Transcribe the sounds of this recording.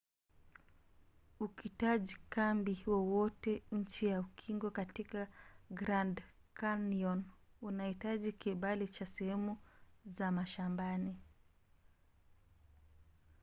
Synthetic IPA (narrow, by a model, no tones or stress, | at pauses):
ukitaʄikambiwɔwɔtɛɲ̩t͡ʃijaukʰiŋɡɔkatikaɡɾand | kaniɔnunahitaʄikiɓalit͡ʃasɛhɛmuzamaʃambani